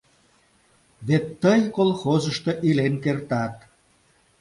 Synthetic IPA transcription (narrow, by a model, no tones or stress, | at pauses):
βet̪ːəjkolˠxozəʃt̪oʔilenkert̪ɑt̪̚